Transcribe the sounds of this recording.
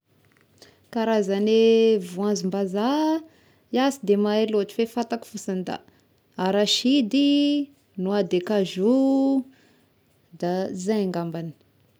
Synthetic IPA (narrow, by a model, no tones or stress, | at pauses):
kaɾazanevuãnzimbaza | jasid̪emaeloʈ͡ʂi̥fefat̪aku̥fusand̪a̰ | aɾaʃid̪i | nuad̪ekaʒu | d̪azaaŋɡambani̥